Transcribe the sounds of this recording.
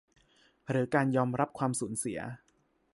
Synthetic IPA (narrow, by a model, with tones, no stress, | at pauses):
ɾɯː˩˦kaː˧njɔː˧mɾa˦˥p̚kʰwaː˧msuː˩˦nsi˨˩˦ɐ̰